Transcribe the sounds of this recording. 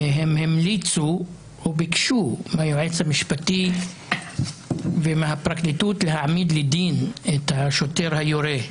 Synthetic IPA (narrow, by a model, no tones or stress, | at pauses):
ɦemhemlit͡su | obikʃumehajoʕet͡shamiʃpati | vemeɦapʁaktit̪ut̪leɦaʕmid̪led̪inet̪haʃote̞ʁhajoɾe